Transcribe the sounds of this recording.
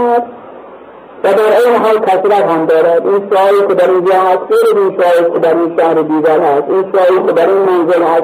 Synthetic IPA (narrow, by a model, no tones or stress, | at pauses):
æd̪ | væd̪æɾeːmɦɒːlkʲʰæsɾæɾɦæmd̪ɒːɾæd̪iːnʃːjiːkʲed̪æɾiːnd͡ʒɒːɦæst̪ɣejlæziːnʃɒiːkʰʲed̪æɾiːnʃæhɾed̪iːɡæɾhæst̪iːnʃɒːliːkʰed̪æɾiːnmanzelhæs